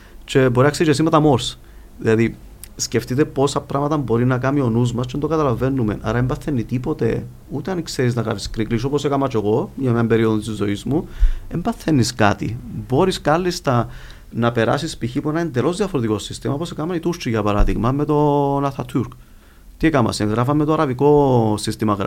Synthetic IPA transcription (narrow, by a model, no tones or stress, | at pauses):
t͡ʃe̞bo̞ɾinɐkseʒes̬imɐt̪ɐmo̞ɾs | ðḭlɐði | sce̞ft̪it̪epo̞sɐpɾʔɐmɐt̪ɐmbo̞ɾinɐkɐmio̞nuzmɐst͡ʃend̪okɐt̪ɐlɐve̞nːume̞nʔɐ̰ɾɐembɐθːenːit̪ipo̞t̪e̞̰ | ut̪eɐnkseɾiznɐkɐ̰niskɾiklis̬o̞po̞sekɐmɐt͡ʃeɣo̞ʝɐmɐmbe̞ɾioðot̪izo̞izmuembɐθːenːiskat̪ḭbo̞ɾiskɐlːist̪ɐ | nɐpe̞ɾɐ̰sispiçipuenɐend̪elo̞zðiɐfoɾet̪iko̞sist̪imɐoposekamɐnit̪uɾt͡ʃiʝɐpɐɾɐðiɣmɐme̞t̪o̞nɐθɐt̪ʰuɾk | t̪iekɐmɐ̰seŋɣɾɐfɐmmet̪oɐɾɐviko̞sist̪imɐɣ